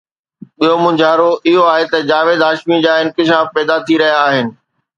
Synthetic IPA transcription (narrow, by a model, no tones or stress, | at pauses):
ɓiɦomʊ̃d͡ʑʱaːɾoɪɦoaːɦet̪ɐd͡ʑaːʋeːd̪aːʃmid͡ʑaːɪ̃nkɪʃ̬aːfpɛːd̪at̪ʰiɾɐɦijaːɦɪnɪ̆